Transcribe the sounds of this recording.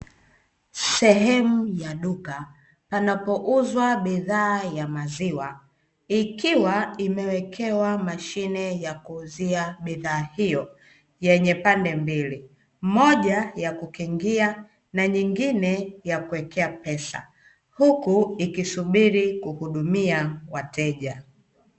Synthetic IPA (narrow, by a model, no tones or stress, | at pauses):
sɛɦɛmujaɗuka | panapɔʔuzwaɓiðaːjamaziwa | ikiwaimɛwɛkʰɛwamaʃinɛjakuːziaɓiðaːhijɔ | jɛɲɛpandɛmbili | mɔʄajakukiŋɡia | naɲiŋɡinɛjakuwɛkɛapɛsa̰ | hukuikisuɓiɾikuhuɗumiawatɛʄa